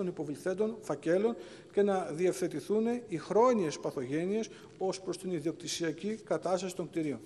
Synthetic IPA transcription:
onipo̞vliθe̞t̪̬o̞nfɐce̞lo̞n | ce̞nɐðiefθe̞t̪iθune̞ixɾo̞ɲie̞spɐθo̞ʝe̞nie̞s | o̞spɾo̞st̪iniðiok̚t̪isiɐcikɐt̪ɐst̪ɐsi̥t̪o̞ŋkt̪iɾio̞n

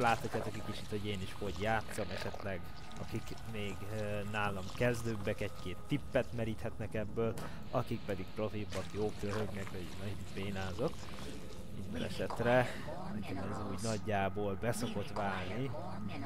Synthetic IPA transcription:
laːt̪hɒcːaːt̪okɛckːit͡ʃit̪ho̞ɟeːniʃho̞ɟjaːt̪sɒmɛʃɛt̪lɛɡ | ɒkik | meːɡ | naːlɒmkɛzd̪øːbːɛkɛckeːt̪ːipːɛt̪mɛɾiːt̪hɛt̪nɛkɛbːøːl | ɒkik̚pɛd̪ik̚pro̞fibːɒkjoːkøɦøɡnɛkʋɒɟnɒipeːnaːzo̞t̪ː | mḭnd̪ɛ̰nɛ̰ʃɛt̪rɛ | nɛkɛmɛzuːɟnɒɟːaːboːlbɛso̞ko̞t̪ʋaːlni

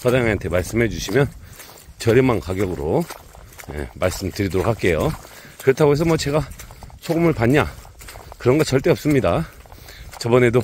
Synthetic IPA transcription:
pʰadaŋeɦantʰemaɭs͈ɯmɦe̞d͡ʑuɕʰimjʌn | t͡ɕʌɾjʌmankaɡjʌɡɯɾo | jḛmaɭs͈ɯmtɯɾidoɾok̚ʰak͈e̞jo | kɯɾʌtʰaɡoe̞s̬ʰʌmwʌt͡ɕe̞ɡasʰoɡɯmɯɭpaɲːa | kɯɾʌnɡat͡ɕʌɭt͈e̞ʌp̚s͈ɯmɲida | t͡ɕʌbʌne̞do

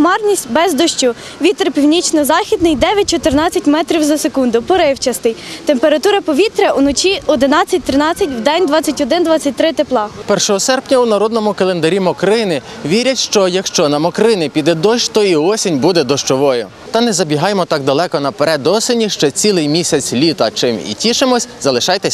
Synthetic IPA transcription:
mɑrnʲisʲtʲbɛzd̪ɔʃt͡ʃʊ | ʋʲit̪ɾɪpʲiwnʲit͡ʃnɔzɑxʲid̪nɪjd̪ɛʋʲjɐt̚ʲt͡ʃɔt̪eɾnɑt͡sʲːɐtʲmɛt̪ɾʲiwzɐsekund̪ʊpɔɾɪwt͡ʃɐst̪ɪjt̪e̞mpeɾɐt̪uɾɐpɔʋʲit̪ɾɐʔunɔt͡ʃiɔd̪ɪnɑt͡sʲːɐt̚ʲt̪ɾɪnɑt͡sʲːɐtʲwd̪ɛnʲd̪ʋɑt͡sʲːɐtʲɔd̪ɪnd̪ʋɑt͡sʲːɐt̚ʲt̪ɾɪt̪eplˠɑpɛrʃɔɦɔsɛrpnʲɐunɐɾɔd̪nɔmʊkɐlˠend̪ɐɾʲimɔkɾɪnɪ | ʋʲiɾʲɐtʲʃt͡ʃɔjɐkʃt͡ʃɔnɐmɔkɾɪnɪpʲid̪ɛd̪ɔʃt̪ɔiɔsʲinʲbud̪ɛd̪ɔʃt͡ʃɔʋɔjʊ | t̪ɐnɛzɐbʲiɦɑjmɔt̪ɑk̚d̪ɐlˠɛkɔnɐpeɾɛd̪ɔsenʲiʃt͡ʃɔt͡sʲilˠɪjmʲisʲɐt͡sʲlʲit̪ɐt͡ʃɪmḭtʲiʃɪmɔsʲzɐlˠɪʃɑjt̪ɛsʲ

